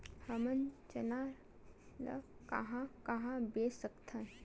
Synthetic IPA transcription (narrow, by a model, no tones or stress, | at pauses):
həmənt͡ʃəna | lə̰kɐ̰ɦãkɐɦãbesəkt̪ʰə̃